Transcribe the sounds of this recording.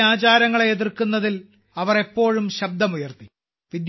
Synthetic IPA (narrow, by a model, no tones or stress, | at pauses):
aːt͡ɕaːɾɐŋːɐɭeeðirkːunːɐðil | ɐʋɐrepːo̞ːɻumɕɐb̚d̪ʱɐmujɐrt̪ːi | ʋid̪j